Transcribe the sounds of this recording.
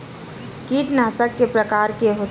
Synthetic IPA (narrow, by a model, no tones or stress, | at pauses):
kiːʈnaːsəkːepɾəkaːɾkeɦo